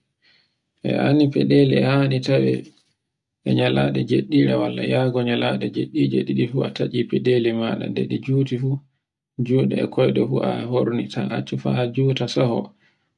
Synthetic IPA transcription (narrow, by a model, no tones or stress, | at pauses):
ʔɛ̰anipɛɗeliɛhanitawɛ | ʔɛɲalaɗɛd͡ʒeɗːiɗɛwalːa̰jaːɡɔɲalaɗɛd͡ʒeɗːid͡ʒeɗiɗifuataʔipɛɗelimaɗa̰dɛɗɛd͡ʒuːtifu | d͡ʒuːɗɛ̰ɛkʰɔjɗɛfuʔahoɾnitʰa̰ʔat͡ʃːufad͡ʒuːtasahɔ